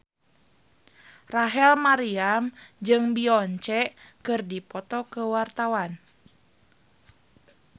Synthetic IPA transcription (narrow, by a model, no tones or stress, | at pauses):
raɦɛlmaɾiamd͡ʒɨŋbiɔɲt͡ʃɛkɨrdipɔt̪ɔkəwart̪awan